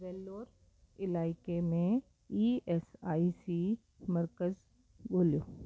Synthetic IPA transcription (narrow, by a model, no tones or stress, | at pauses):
ʋeːlːoːɾ | ɪlaːɪkemẽ | iːeːsaːisi | mɐɾkəz | boːlijoː